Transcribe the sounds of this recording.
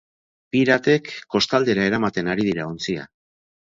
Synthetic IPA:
piɾat̪e̞kːo̞st̪ald̪e̞ɾae̞ɾamat̪e̞naɾið̞iɾaont͡sia̰

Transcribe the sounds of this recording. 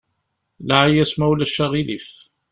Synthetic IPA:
laʕijæsmæwlæʃːæʁilif

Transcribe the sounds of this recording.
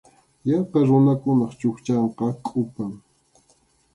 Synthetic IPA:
jɑqɑɾʊnakʊnɑχt͡ʃʊxt͡ʃɑɴqɑkʼʊpaŋ

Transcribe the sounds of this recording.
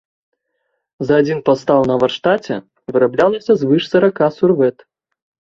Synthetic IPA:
zɐːd͡zʲinpast̪awnɐvɐrʂt̪at͡sʲɛ̰ | vɨɾablʲalˠɐsʲɐzvɨʂsɐɾakasurvɛt̪

